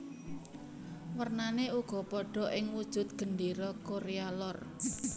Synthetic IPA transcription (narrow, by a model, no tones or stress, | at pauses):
wərnaneuɡ̥ɔ̤pɔɖ̥ɔ̤ʔɪŋwud̥ʒ̥ʊ̤t̪̚ɡ̥ə̤nɖiɾɔkoɾealɔr